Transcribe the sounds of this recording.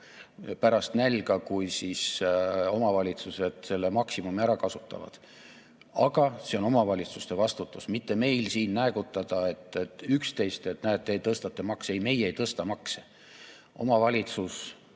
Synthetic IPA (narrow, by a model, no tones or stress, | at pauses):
pæɾɑst̪nælʲɡɑkujsiso̞mɑvɑlʲit̪suse̞d̪̥se̞lːemɑksimumiæɾɑkɑsut̪ːˑɑ̰vɑ̰d̪̥ | ɑɡ̥ɑse̞o̞no̞mɑvɑlʲit̪sust̪e̞vɑst̪ut̪ːˑusmit̪ːe̞me̞jlsiːnːæeɡut̪ːˑɑd̪̥ɑe̞t̪ːˑet̪ːˑykst̪e̞jst̪et̪næːt̪ːe̞t̪ɤst̪ɑt̪ːe̞mɑksejme̞jejt̪ɤst̪ɑmɑkse | ʔo̞̰mɑvɑlʲit̪sus